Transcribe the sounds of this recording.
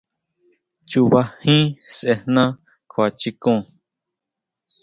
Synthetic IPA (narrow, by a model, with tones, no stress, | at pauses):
t͡ʃu˧βa˧hĩ˦sʔe˧n̥nã˦ | kʰo˨˧a˨t͡ʃi˧kõː˦˧˨